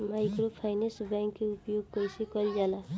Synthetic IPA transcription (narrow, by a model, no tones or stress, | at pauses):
maːɪkɾopʰaɪnesbɛ̃ːŋkːeʊpjoːɡ̚koisekəld͡ʒaːla